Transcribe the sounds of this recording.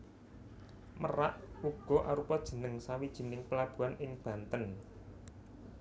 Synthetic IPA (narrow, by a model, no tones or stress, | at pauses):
məraʔuɡ̥ɔ̤ʔaɾupɔd̥ʒ̥ə̤nəŋsawid̥ʒ̥i̤nɪŋpəlab̥ṳanʔɪŋb̥ä̤nt̪ən